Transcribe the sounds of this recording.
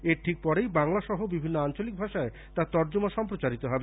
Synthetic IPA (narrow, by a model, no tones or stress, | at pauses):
eɾʈʰik̚pɔɾejbaŋlaʃɔɦobibʱinːoant͡ɕolik̚bʱaʃae | t̪at̪ɔɾd͡ʑomaʃɔmpɾot͡ɕaɾit̪oɦɔbe